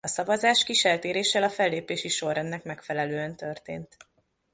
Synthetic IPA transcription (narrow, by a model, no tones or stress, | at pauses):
ɒsɒvɒzaːʃkiʃɛlt̪eːɾeːʃɛlɒfɛlːeːpeːʃiʃo̞ɾɛnːɛkmɛkfɛlɛløːɛnt̪ø̞rt̪ḛːnt̪